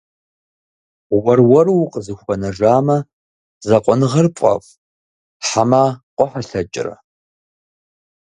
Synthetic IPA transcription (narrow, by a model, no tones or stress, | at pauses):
wɐrwɐrwqʼəzɨxʷɐnɐʐaːmɐ | zɐqʷʼɔnɨʁɐrpʷʼɐ̰fʼ | ħamaqʷʼʊħaɬɐt͡ʃʼɪ̰rɐ̰